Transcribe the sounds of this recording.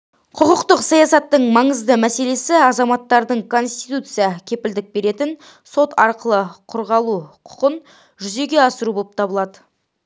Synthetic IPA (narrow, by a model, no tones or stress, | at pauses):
qʰʊqʊqt̪əqsɑjɑsɑt̪ːəɴmɑɴəzd̪əmæse̞le̞sɪɑzɑmɑt̪ːɑɾd̪əɴkʰo̞nst̪it̪ut̪sɨjɑkʲʰe̞pɪld̪ɪk̚be̞ɾe̞t̪ɪn | so̞t̪ɑɾqəlˠəqʰʊɾʁɑlˠuqʰʊ̥qən | ʒʏze̞ɡʲe̞ɑsəɾubo̞lˠəp̚t̪ʰɑbəlˠɑd̪ə